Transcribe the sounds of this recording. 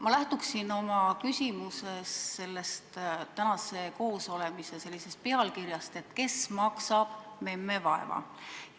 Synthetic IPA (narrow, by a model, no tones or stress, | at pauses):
mɑlæht̪uksino̞mɑkysʲimuse̞sːe̞lːe̞st̪t̪ænɑse̞ko̞ːso̞le̞mise̞se̞lːise̞st̪̚peɑlkirjɑst̪e̞t̪ke̞smɑksɑb̥me̞mːe̞vɑe̞̰vɑ̰